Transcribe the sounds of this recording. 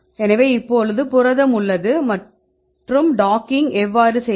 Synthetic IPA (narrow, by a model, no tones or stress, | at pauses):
ɛnɐʋeːɪpːoɭɯðɯpʊɾɐðɐmʊɭːɐðɯmɐʈ | ʈrɯmɖaːkɪŋɡɛʋːaːɾɯsɛ